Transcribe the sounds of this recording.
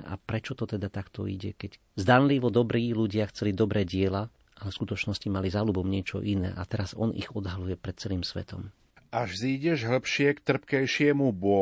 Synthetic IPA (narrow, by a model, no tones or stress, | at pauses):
ʔa̰pɾɛt͡ʃɔt̪ɔt̪ɛd̪at̪akt̪ɔ̰ḭɟɛkɛc | zd̪anliʋɔd̪ɔbɾiːluɟɪaxt͡sɛlid̪ɔbɾɛːɟɪɛla | ʔalɛfskut̪ɔt͡ʃnɔscimalizaːlubɔmɲɪɛt͡ʃɔ̰ʔinɛ̰ːʔat̪ɛɾazɔnʔḭɣɔd̪ɦalujɛpɾɛt̪̚t͡sɛliːmsʋɛ̰t̪ɔ̰m | ʔaʒziːɟɛʒɦl̩pʃɪɛkt̪r̩pkɛjʃɪɛmubʊɔ